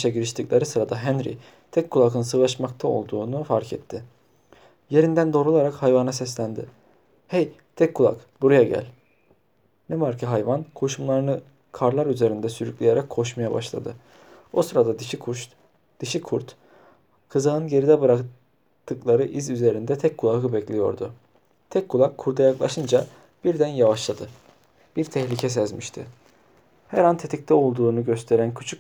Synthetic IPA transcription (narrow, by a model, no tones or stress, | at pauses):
ʃaɟiɾiʃt̪ʰicʲlʲˠeɾɯsɯɾad̪aɦænɾḭ | t̪ʰɛkʰːulˠakɯnsɯɣlˠaʃmakt̪ʰao̞̰lˠd̪uːnufaɾcʰɛt̪ʰːɪ | je̞ɾind̪ænd̪o̞ːɾulˠaɾakhajvanasɛslʲænd̪ɪ̰ | hɛjt̪ʰɛcʰːulˠa̰kbuɾujaɟæ̰lʲ | nɛvaɾcʰiɦajvankʰo̞ʃumlˠaɾɯnɯ | kʰaɾlˠaɾyze̞ɾind̪ɛsyɾyclʲejeɾakʰːo̞ʃmajaba̰ʃlˠa̰d̪ɯ | osɾad̪a | d̪̥ɯʃikʰuɾt̪ | kʰɯzaɯnɟe̞ɾid̪ɛbɯɾak | t̪ʰːɯklˠaɾɯʔizyze̞ɾind̪ɛt̪ʰɛcʰːulˠakɯbɛclʲijo̞̰ɾd̪ʊ | t̪ʰɛcʰːulˠakʰːuɾd̪ajaklˠaʃɯnd͡ʒa | b̥iɾd̪ænjavaʃlˠad̪ɯ | b̥iɾt̪ʰɛhlʲicʰɛs̬ɛzmiʃt̪ʰɪ̰ | hæɾant̪ʰe̞t̪ʰic̚t̪ʰɛo̞lˠd̪uːnuɟø̞st̪ʰe̞ɾæncʰyt͡ʃʰyk